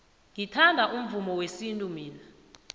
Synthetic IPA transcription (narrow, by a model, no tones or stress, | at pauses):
ŋitʰandʱaʔum̩vumɔwesintʼumiːna